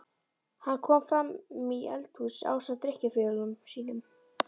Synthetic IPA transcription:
hanːkʰɔːmfɾamːiɛ̰lt̪husa̰ːwsat̪ɾɪhcɪfɪlʏmsiːnʏm

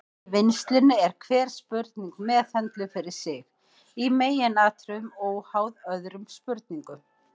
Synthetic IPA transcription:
vɪnst̪lɪnːʏɛɾ̥kʰvɛːɾ̥spʏɾt̪niŋkmɛːθœnt̪lʏfɪɾɪɾ̥sɪɣ | imeːjɪnaːt̪ɾʏmoɔwhaːwðœðɾʏmspʏɾt̪̚niŋkʏm

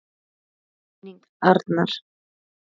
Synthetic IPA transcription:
niŋk | aɾt̪naɾ̥

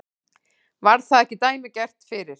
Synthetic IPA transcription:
vaɾðθaðɛhcɪt̪aːjmɪcɛr̥t̪fɪːɾɪɾ̥

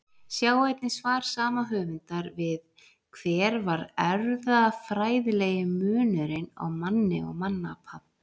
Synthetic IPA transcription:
sjaːwejt̪nɪsvaːɾ̥saːmaɦœːvʏnt̪aɾvɪð | kʰvɛːɾvaɾɛɾðafɾaːjðlɛːjɪmʏːnʏɾɪna̰wmanːɪ̰ɔ̰ɣmanːapʰap̪

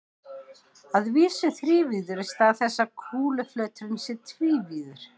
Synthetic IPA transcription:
aðviːsʏθɾiːviːðʏɾɪst̪aðθɛsːakʰuːlʏflœːt̪ɾɪnsɪt̪ʰviːviːðʏɾ̥

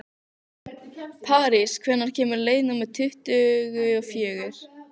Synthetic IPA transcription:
pʰaːɾɪskʰvɛnːaɾ̥cʰɛːmʏɾleːjðnamɛðt̪ʰʏht̪ʏɣʏɔɣfjɛːɣʏɾ̥

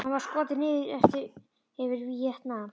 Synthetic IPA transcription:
hanvaɾ̥skɔːt̪̬ɪnɪːðɪɾɛft̪ɪɾ | ɛvɪɾvijɛht̪na

